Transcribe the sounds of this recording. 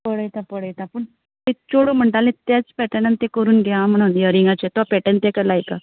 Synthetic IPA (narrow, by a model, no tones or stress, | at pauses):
pəɽəjt̪apəɽəjt̪apəɳ | t̪et͡ɕoɽom̤əɳʈalẽt̪jat͡spɛʈənant̪ẽkəɾuːnɡʱeam̤əɽ̃uːnjəɾiŋɡat͡ɕet̪ʋapɛʈənt̪ekəlajka